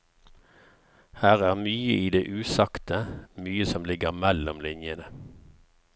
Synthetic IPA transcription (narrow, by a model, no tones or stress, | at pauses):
hæːʁæːʁmyːəʔiːd̪eːʔʉːsɑkt̪əmyːəsɔmlɪɡəʁmɛlɔmlɪnjənə